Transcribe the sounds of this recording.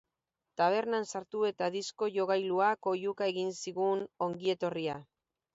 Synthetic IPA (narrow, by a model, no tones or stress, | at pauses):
t̪aβ̞e̞ɾnansaɾt̪ue̞t̪aðisko̞ʝo̞ɣajluako̞jukae̞ɣinsiɣuno̞ŋɡie̞t̪o̞ria